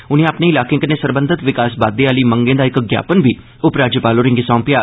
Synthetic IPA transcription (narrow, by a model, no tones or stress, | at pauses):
ʊnẽːaːpneːɪlaːkẽːkəneːsəɾbənd̪ʱət̪ʋɪkaːsbaːd̪eːaːliːməŋɡẽːd̪aːɪkɡja̰ːpənbiː | ʊpɾaːd͡ʒjəpaːloːɾɪ̃ŋɡisɔ̃ːmpɪjaː